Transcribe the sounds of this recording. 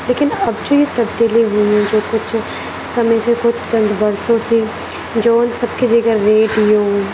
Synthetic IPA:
leːkɪnəbd͡ʒõːiːt̪əb̚d̪iːliːɦʊːõːd͡ʒoːkʊt͡ʃʰ | səmẽːseːkʰʊd̪t͡ʃə̃nd̪bəɾsõːsiː | d͡ʒoːnsəb̚keːd͡ʒeːɡəɾːeːɖɪjõː

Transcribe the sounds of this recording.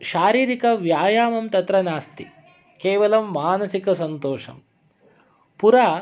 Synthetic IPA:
ʃaːɾiːɾikɐʋjaːjaːmɐmt̪ɐt̪ɾɐnaːst̪i | keːʋɐlɐmːaːnɐsikɐsɐnt̪oːʂɐ̰m | puɾaː

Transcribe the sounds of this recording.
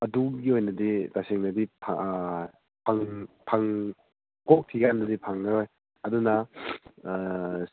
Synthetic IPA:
ɐduɡiojnɐditaseŋnɐdipʰa | pʰaŋpʰaŋ | kok̚tʰiɡandɐdipʰaŋnaɾoj | ɐdunɐ

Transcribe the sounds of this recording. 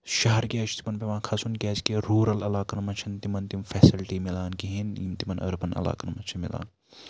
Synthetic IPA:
ʃɐɦɐɾkʲaːt͡ʃʰt̪i̥mɐnpemãːkʰɐsunkʲaːt͡ʃkeːɾuːɾɐlɐlaːkɐnmɐt͡ʃʰɐnt̪imɐnt̪imfɛːsilʈiːmilaːnkiɦinḭmt̪imɐnɐ̰ɾpɐnɐ̰la̰ːkɐnmɐt͡ʃʰɐmila̰ːn

